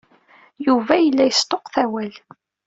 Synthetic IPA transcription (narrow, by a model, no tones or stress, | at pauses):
juvæjəlːæjəst̪ˤoqθæwæl